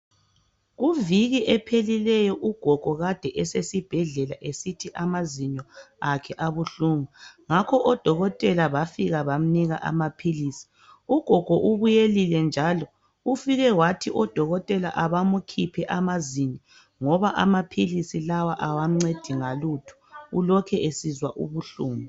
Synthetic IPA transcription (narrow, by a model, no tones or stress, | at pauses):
ɣuviɣiʔɛpʰelilɛjɔʔuɡ̥ʱɔɡ̥ʱɔɣad̥ʱɛʔɛsesib̥ʱɛɮɛlaʔesitʰiʔamaziɲɔ | akʰɛʔaβuɬuːmaŋakʰɔʔɔd̥ʱɔɣɔtʼɛlaβafiɣaβam̩niɣa̰ʔa̰mapʰilisi̥ | uɡ̥ʱɔɡ̥ʱɔʔuβujelilɛnd͡ʒʱalɔ | ufiɣɛwatʰiʔɔd̥ʱɔɣɔtʼɛlaʔaβamukʰipʰɛʔamazini | ŋɔβaʔamapʰilisilawaʔawam̩ŋ͡ǀed̥ʱiŋalutʰu̥ulɔkʰɛʔesizwaʔṵβuɬuːmu